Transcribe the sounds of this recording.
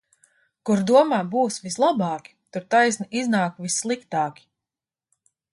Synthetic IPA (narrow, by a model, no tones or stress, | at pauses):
kuɾd̪uɔmaːbuːsvislˠabɑːkʲi̥t̪uɾt̪ajsniʔiznaːkvisːlˠikt̪ɑːkʲi̥